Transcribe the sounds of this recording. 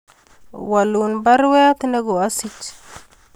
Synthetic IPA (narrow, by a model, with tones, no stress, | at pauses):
wa˨lu˨nba˦ɾwe˦a˦t̪i˦ne˦ɡo˨a˦si˦t͡ʃ